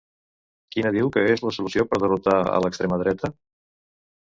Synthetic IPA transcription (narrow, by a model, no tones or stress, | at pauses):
kinəðiwkəezləsulusiopəɾðərut̪aə̰ləkst̪ɾeməðɾɛt̪ə